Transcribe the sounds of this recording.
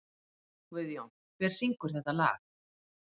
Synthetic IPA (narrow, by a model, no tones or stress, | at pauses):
kvɪðjɔn | kʰvɛɾ̥siŋkʏɾ̥θɛht̪ala̰ːx